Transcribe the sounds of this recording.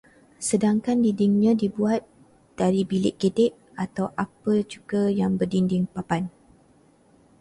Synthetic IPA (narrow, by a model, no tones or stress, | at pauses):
sədaŋkandindɪŋɲãdibuat̪̚ | d̥aɾibilɪʔɡedɛʔ | at̪awʔapət͡ʃuɡəjaŋbərdindɪŋpapan